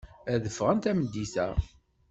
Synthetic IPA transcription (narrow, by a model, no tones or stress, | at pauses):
æðəfːʁənt̪æməd̪ːiθæ